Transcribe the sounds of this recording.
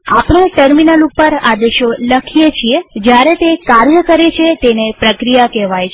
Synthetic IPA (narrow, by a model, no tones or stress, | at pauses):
apnaʈəɾminəlupəɾa̰d̪eʃoləkʰijet͡ʃʰied͡ʒjaɾet̪ekaɾjəkəɾet͡ʃʰet̪enepɾəkɾijakɛʋajt͡ʃʰ